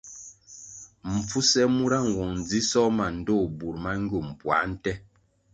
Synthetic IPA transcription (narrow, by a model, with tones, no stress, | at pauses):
m̩˨p͡fu˦sɛ˦mu˦ɾa˦ŋ̩˨wɔ˨ŋn˨d͡zi˦sɔ˦ma˨n̩˨do˦˨bu˨ɾma˦ŋ˦ɡu˦˨m˨pwa̰˨˦n̩˦tɛ˦